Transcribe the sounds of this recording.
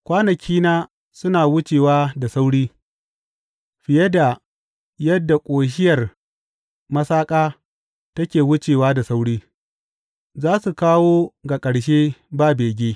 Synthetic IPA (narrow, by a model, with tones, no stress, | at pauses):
kʷaː˦nɐ˨kʲʰiː˦naː˦ | sʊ˦naː˨wʊ˦t͡ʃeː˨waː˦da˨sa˦wɽiː˦ | ɸɪ˨jɐ˦da˨ | jɐ˦dːa˨kʷʼoː˨ʃ̬ɪ˦jɐ˨r | mɐ˦saː˦kʼaː˦ | tɐ˦kʲeː˨wʊ˦t͡ʃeː˨waː˦da˨sa˦wɽiː˦ | zaː˦su˨kaː˦woː˦ɡa˨kʼɐ˨ɽʃ̬eː˦baː˦beː˨ɡʲeː˦